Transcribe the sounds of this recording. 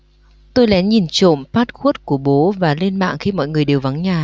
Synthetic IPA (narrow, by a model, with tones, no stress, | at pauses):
t̪o˧jlɛ˨˦ɲi˨˩nt͡ɕo̰˧˨mfaː˦˥t̚xu˦˥ət̚ku˧˩əɓo˨˦vaː˨˩le˧nma̰ː˧˨ŋxi˧mɔ̰˧˨jŋɨ˨˩əjɗe˨˩wva˨˦ŋɲaː˨˩